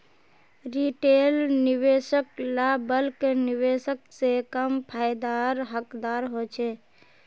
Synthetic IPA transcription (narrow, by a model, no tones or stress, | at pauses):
ɾiʈelniʋesəklabəlkeniʋesəksekəmpʰajd̪aɾɦəkd̪aɾɦot͡ʃʰɛ